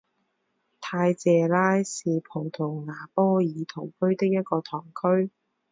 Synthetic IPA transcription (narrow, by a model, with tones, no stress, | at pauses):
t̪ʰaː˧jt͡sɛː˨laː˥jsiː˨pʰʊ˨˩ŋt̪ʰʊ˨˩wŋaː˨˩pɔː˥jiː˨˧t̪ʰo˨˩wkʰɵ˥ɥt̪ɪ˥k̚jɐ˥t̚kɔː˧t̪ʰɔː˨˩ŋkʰɵ˥ɥ